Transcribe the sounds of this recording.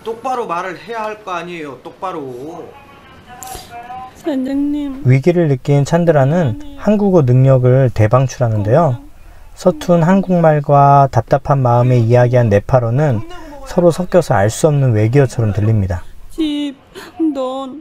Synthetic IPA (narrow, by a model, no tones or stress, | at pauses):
t͈ok̚p͈aɾomaɾɯɭhe̞jaɦaɭk͈ʌaɲiejot͈ok̚p͈aɾo | sʰand͡ʑeŋɲimɥiɡiɾɯɭːɯk͈int͡ɕʰandɯɾanɯnhanɡuɡonɯŋɲʌɡɯɭte̞baŋt͡ɕʰuɾɦanɯnde̞jo | sʰʌtʰunɦanɡuŋmaɭɡwatap̚t͈apʰanmaɯme̞ijaɡiɦanːe̞pʰaɾonɯnsʰʌɾosʰʌkk͈jʌsʰʌaɭs͈uʌmnɯnwe̞ɡiʌt͡ɕʰʌɾʌmtɯʎːimɲidat͡ɕip̚don